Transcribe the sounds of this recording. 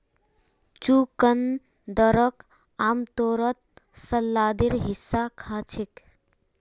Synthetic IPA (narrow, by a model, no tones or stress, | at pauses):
t͡ʃukən | d̪əɾək | amt̪oɾət̪̚səlːad̪iɾɦisːakʰat͡ʃʰik